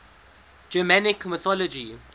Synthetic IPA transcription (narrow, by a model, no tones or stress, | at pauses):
d͡ʒəmanɪkmɪθɔlɔd͡ʒi